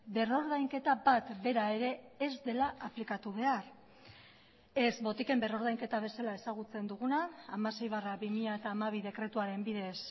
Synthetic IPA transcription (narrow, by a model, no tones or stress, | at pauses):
be̞ro̞ɾð̞ajŋke̞t̪abat̪be̞ɾae̞ɾe̞ːzd̪e̞laaplikat̪uβ̞e̞ar | e̞zbo̞t̪ike̞mbe̞ro̞ɾðajŋke̞t̪aβ̞e̞salae̞saɣut͡se̞nd̪uɣ̞unaːmase̞jβ̞araβimiʎaet̪aːmaβ̞iðe̞kɾe̞t̪uaɾe̞mbiðe̞s